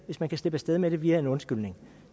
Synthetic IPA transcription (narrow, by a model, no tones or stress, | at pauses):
ʋe̝smænkʰæsl̥e̝b̥əsd̥eð̞ˠmeɾ̥e̝ʋiːæe̝nɔ̽nsɡ̥yl̰ne̝ŋ